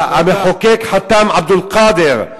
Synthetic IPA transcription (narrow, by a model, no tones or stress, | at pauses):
ʔameħokeːkħat̪ːaːmʕab̚d̪ʊlqɑːd̪ɪɾ